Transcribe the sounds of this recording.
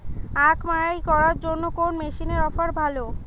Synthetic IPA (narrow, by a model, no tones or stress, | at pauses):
akʰmaɾajkɔɾaɾd͡ʑonːokonmeʃineɾɔfaɾbʱalo